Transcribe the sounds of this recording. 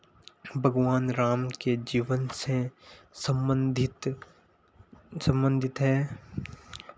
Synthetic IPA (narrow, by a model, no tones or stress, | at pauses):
bʱɐɡʋaːnɾaːmked͡ʒiːʋənsesəd̪ɪt̪ | sɐ̃mbə̃nd̪ʱɪt̪ɦɛː